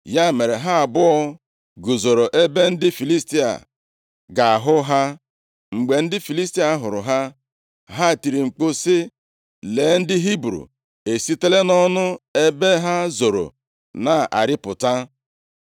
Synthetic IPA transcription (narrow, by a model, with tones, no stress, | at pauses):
ja˦˨me˨ɾe˨ɦa˦a˨bʊ˦ɔ˦ | ɡu˨zo˨ɾo˨ʔe˦be˦n̩˦dɪ˦fi˨li˦sti˦a̰˨ | ɡa˨a˨ɦʊ˦ɦa˦ | ŋ͡m̩˨ɡ͡be˨n̩˦dɪ˦fi˨li˦sti˦a˦ɦʊ˨ɾʊ̰˨ɦa˦ | ɦa˦˨ti˨ɾi˨ŋ͡m̩˨k͡po˦sɪ˦ | le˨˦n̩˦dɪ˦ɦi˦bɾṵ˨ | e˨si˦te˦le˦nɔ˦nʊ˦e˦be˦ɦa˦zo˨ɾo̰˨ | na˨ʔa̰˨ɾɪ˦pʊ˨ta˦